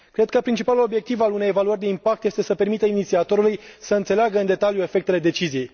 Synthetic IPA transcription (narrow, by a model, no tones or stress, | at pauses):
kɾe̞d̪̚kəpɾint͡ʃipalulo̞bje̞k̚t̪ivalune̞jevaluərʲd̪e̞impak̚t̪jest̪e̞səpe̞rɾmit̪əinit̪siat̪o̞ɾulujsəɨnt̪se̞leaɡəɨnd̪e̞t̪aljue̞fe̞k̚t̪ele̞d̪e̞t͡ʃizijej